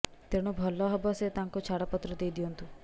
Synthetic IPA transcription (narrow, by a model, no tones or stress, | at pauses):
t̪eɽ̃ubʱɔlːɔɦɔbɔset̪aŋkut͡ʃʰaɽɔpɔt̪ɾɔd̪ejd̪iɔnt̪u